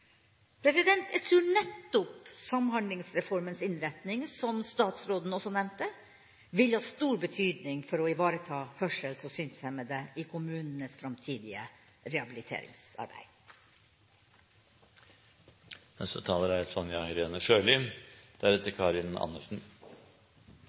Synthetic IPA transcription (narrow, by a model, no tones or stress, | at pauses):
pʰɾɛsɪd̪ɛnt̪æt̪ʰɾuːɳɛt̪ːʊpsɑmhɑnd̪lɪŋsɾɛfɔɾmənsɪnɾɛt̪nɪŋsɔmst̪ɑːt̪sɾoːd̪n̩ɔsɔnɛmt̪ə | ʋɪlhɑːst̪uːɾbət̪ʰyːd̪nɪŋfɔɾɔɪʋɑːɾət̪ʰɑːhœʂəlsɔsyːnsjæɪmɛd̪ɛʔɪkʰʊmʉːnənəsfɾɑmt̪ʰiːd̪ɪə̰ | ɾɛɑbɪlɪt̪ʰḛːɾɪ̰ŋsɑ̰ɾbæ̰ɪ | nɛ̰st̪ət̪ʰɑːləɾæɛsɔnjɑɪɾeːnəʂøːlʏmd̪̥æɾɛt̪əɾkʰɑːɾɪnɑ̰nːə̰lsn̩